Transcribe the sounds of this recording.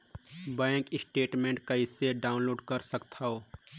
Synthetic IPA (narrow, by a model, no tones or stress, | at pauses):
bɛ̃ːŋkɪsʈeːʈmẽːɳʈ̚kɐiseɖaːʊnloːɖkəɾsəkt̪ʰaoː